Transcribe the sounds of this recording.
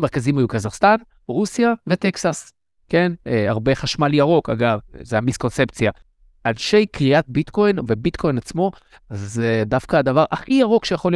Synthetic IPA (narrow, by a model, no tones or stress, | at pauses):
meʁkazimhajukazaχst̪an | ʁusijave̞t̪eksas | ke̞neaʁbe̞χaʃmaljaʁo̞ka̰ɡavzeamisko̞nse̞pt͡sja | ʔalʃe̞jkʁiʔat̪̚bit̪ko̞jnve̞bit̪kʰo̞jnat͡smo̞ | azedafkad̪avaʁʔaχijaʁo̞kʃejaχo̞lij